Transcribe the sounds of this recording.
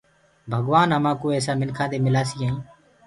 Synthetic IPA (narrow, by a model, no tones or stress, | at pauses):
bʱəɡʋaːnəmãːkoːeːsaːmɪnkʰãːd̪eːmɪlaːsiːɦãːĩː